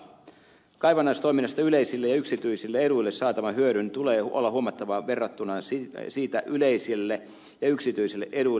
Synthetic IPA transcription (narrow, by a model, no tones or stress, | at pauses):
kɑjʋɑnːɑist̪o̞iminːɑst̪ɑyle̞jsilːejɑyksit̪yisilːee̞ɾujlːesːɑːt̪ɑʋɑɦyøɾynt̪ule̞ːolːɑɦuomɑt̪ːɑʋɑʋerːɑt̪ːunɑsiːt̪æʔylejsilːe | jɑyksit̪yisilːeʔe̞ɾu